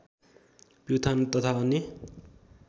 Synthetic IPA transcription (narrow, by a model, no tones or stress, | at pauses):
puwt̪ʰant̪ʌt̪ʰaʌnːe